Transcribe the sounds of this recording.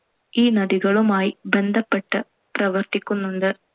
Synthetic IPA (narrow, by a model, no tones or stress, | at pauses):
iːnɐd̪iɣɐɭumaːjibend̪ʱɐpːeʈːɐ | pɾɐʋɐrt̪ikʲːunːunɖ̪ɨ